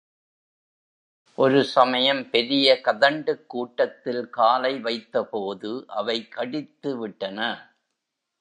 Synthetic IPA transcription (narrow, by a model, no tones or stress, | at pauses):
ʔɔɾɯsɐmɐjɐmpɛɾɪjɐkɐðɐɳɖɯkːuːʈːɐt̪ːɪlkaːlɐɪʋɐɪt̪ːɐpoːðɯʔɐʋɐɪkɐɽɪt̪ːɯʋɪʈːɐnɐ